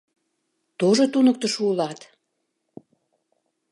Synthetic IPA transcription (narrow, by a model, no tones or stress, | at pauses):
t̪oʒot̪unək̚t̪əʃulɑt̪